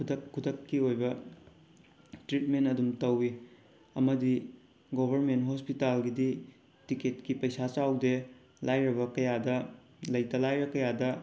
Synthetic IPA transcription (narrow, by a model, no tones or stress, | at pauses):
kʰudɐkkʰːudɐkːiojbɐ | tɾit̚mentɐdumtɐwi | ɐmɐdi | ɡobʱɐɾmentɦospitalɡidi | tiket̚kipɐjsat͡ʃawde | lʔajɾɐbɐkɐjadɐ | lɐjtɐlajɾɐkɐjadɐ